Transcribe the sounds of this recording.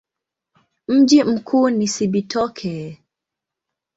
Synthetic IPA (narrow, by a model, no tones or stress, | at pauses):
m̩d͡ʒim̩kʰuːnisibitʰɔkʰɛ